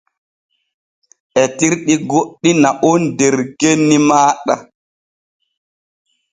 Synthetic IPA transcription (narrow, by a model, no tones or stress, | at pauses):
ʔɛtiɾɗiɡoɗːinaʔundɛɾkenːimaːɗa̰